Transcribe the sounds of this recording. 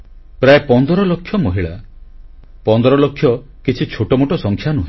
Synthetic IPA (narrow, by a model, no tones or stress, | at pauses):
pɾaepɔnd̪ɔɾɔlokʰːjɔmoɦiɭa | pɔnd̪ɔɾɔlokʰːjɔ | kit͡ʃʰit͡ʃʰoʈɔmoʈɔsɔŋkʰjanuɦẽ